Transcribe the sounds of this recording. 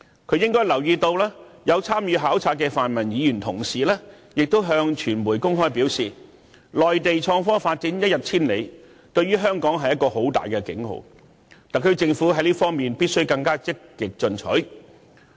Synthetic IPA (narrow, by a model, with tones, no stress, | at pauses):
kʰɵ˧ɥjɪ˥ŋkɔː˥jlɐ˨˩wjiː˧t̪o˧wlɛː˥jɐ˨˧wt͡sʰaː˥mjyː˨˧ɦaː˨˥wt͡sʰaː˧t̚kɛː˧faː˨˩nmɐ˨˩njiː˨˧jyː˨˩nt̪ʰʊ˨˩ŋsiː˨lɛː˥ | jɪ˨k̚t̪o˥wɦœː˧ŋt͡ʃʰyː˨˩nmuː˨˩jkʊ˥ŋɦɔː˥jpi˨˥wsiː˨˩ | lɔː˨jt̪e˨jt͡ʃʰɔː˧ŋfɔː˥faː˧t̚t͡siː˨˥njɐ˥t̚jɐ˨t̚t͡sʰiː˥nle˨˧j | t̪ɵ˧ɥyː˥ɦœː˥ŋkɔː˨˥ŋɦɐ˨jːɐ˥t̚kɔː˧ho˨˥wt̪a̰ː˨jkɛː˧kɪ̰˨˥ŋho̰˨w | t̪aː˨kʰɵ˧t͡sɪ˧ŋfuː˨˥ɦɐ˨˥jliː˥fɔː˥ŋmiː˨npiː˥t̚sɵ˥ɥkɐ˧ŋkaː˥t͡sɪ˥kːɪ˨k̚t͡sɵ˧nt͡ʃʰɵ̰˨˥ɥ